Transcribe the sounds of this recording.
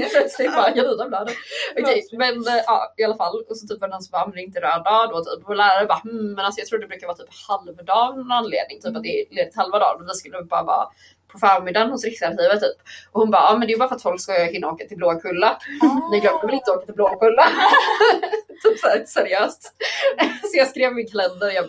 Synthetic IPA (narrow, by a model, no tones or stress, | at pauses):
ɛpʰlœt̪slɪt̪̚bɑːɾaɡaviːnablœːd̪əɔkʰɛjmɛnʔɑ̰ːɪalafalːɔsɔt̪yːpvɑɾnɔnsɔmbɑːɔmɛnd̪ɛɪnt̪əɾøːdɑːd̪oːt̪ʰy̰ːpɔlæːɾaɾəbɑːm̩ːɛnalsɔjɑt̪ɾuːɖ̪ɛbɾʉːkavɑːt̪ʰy̥ːphalvd̪ɑːnɔnanlḛːd̪nɪŋt̪ʰyːpat̪̚d̪ɛleːd̪ɪt̪halvad̪ɑ̰ːɾmɛnvɪskɵlːəbɑːɾavɑ̰ː | pʰɔfœːɾmɪd̪anhʊsɾɪksaɾkiːvət̪t̪ʰːyːpʔɔhʊnbɑ̰ːɑːmɛnd̪ɛjʉbɑːɾfat̪fɔlkskahɪnːaoːkat̪ʰɪlbloːkʰɵlːanɪːɡlœːkʰɔmvɪlɪnt̪əoːkat̪ʰɪlbloːɡkʰɵlːa | t̪ʰyːpsæsɛɾɪøːst̪ | sɔjɑːɡskɾeːvmɪnkʰalɛnd̪əɾjɑ